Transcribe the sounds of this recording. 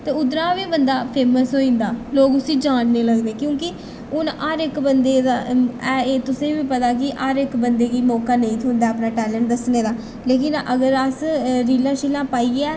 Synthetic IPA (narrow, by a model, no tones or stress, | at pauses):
t̪eːʊd̪ɾaːʋiːbənd̪aːpʰeːməsɦoːĩːnd̪aːloːɡʊsĩːd͡ʒãːd͡ʒneːləɡd̪eːkjõːkɪ | ʊnaːɾɪkbənd̪eːd̪aːɛːeːt̪ʊsẽːʋiːpət̪aːkɪʔaːɾɪkbənd̪eːɡiːmɔːkaːnə̃ĩːt̪ʰoːnd̪aːapnaːʈɛːlə̃ɳʈ̚d̪əsneːd̪aː | leːkɪnʔəɡəɾəsɾiːlãːʃiːlãːpaːiːɛː